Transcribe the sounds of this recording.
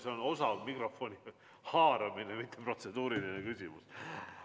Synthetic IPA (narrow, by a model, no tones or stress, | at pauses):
seono̞sɑvmikro̞fo̞nʲi | hɑːɾɑminemit̪ʰˑːepro̞t̪se̞d̪̥uːɾilinekysʲimus